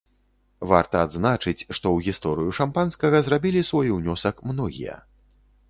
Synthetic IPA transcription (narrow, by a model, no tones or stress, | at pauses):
va̰rt̪ɐad̪znat͡ʂɨt͡sʲʂt̪ɔwɣʲist̪ɔɾɨjuʂampanskɐɣɐzrabʲilʲisvɔjwnʲɔsɐkmnɔɣʲḭjɐ̰